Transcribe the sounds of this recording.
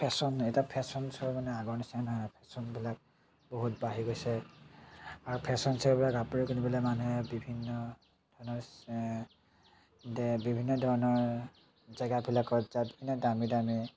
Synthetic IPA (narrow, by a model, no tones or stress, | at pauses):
pʰɛsɔnɛtapʰɛsɔnsɔɹmanɛaɡɔɹnisanɦɔjnapʰɛsɔnbilak̚ | boɦutbaɦiɡojsɛ | aɹupʰɛsɔnsɛɹbilakapuɹikunibilamanuɦɛbibʱinːɔ | d̥ʱɔnɔɹ | bibʱinːɔdʱɔɹnɔɹ | zaɡabilakɔzabibʱinɔdamidami